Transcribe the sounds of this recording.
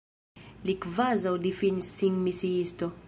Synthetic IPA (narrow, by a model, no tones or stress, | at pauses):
likvazawd̪ifinisːiŋmisiist̪o